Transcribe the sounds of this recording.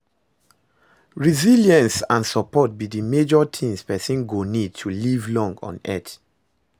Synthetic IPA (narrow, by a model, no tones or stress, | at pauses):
ɹiziliə̃nsãnsɔpɔt̚bidimed͡ʒɔtʰĩmspɛsĩnɡonid̚tʰːulivlɔ̃ŋɡɔ̰̃nɛ̰t